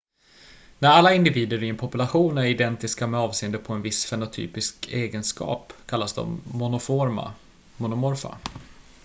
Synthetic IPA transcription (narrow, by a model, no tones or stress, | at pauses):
næɾalːaɪnd̪ɪviːd̪əɾɪɛnpʰɔpɵlaɧuːnæɾɪd̪ɛnt̪ɪskamɛɑːvseːənd̪əpʰɔɛnvɪsfɛnʊt̪ʰy̰ːpɪskʰeːɡənskɑ̰ːpkʰalːasd̪ɔ̰mːʊnʊfoːɾma̰ | mʊnʊmɔɾfa̰